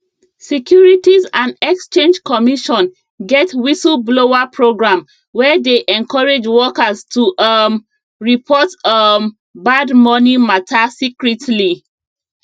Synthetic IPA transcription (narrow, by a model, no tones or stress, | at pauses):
sɛkʰjuɹitizãndɛkst͡ʃẽnd͡ʒkɔmiʃɔ̃n | ɡɛtwisəlbloapɹoɡɹãm | wɛdeʔɛ̃nkʰɔɹed͡ʒwɔkaztʰuʔm | ɹipʰɔtə | badmɔnimatʰasikɹitʰli